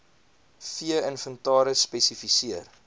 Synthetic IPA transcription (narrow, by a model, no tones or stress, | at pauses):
fiəənfəntɑːɾəspɛsifisiər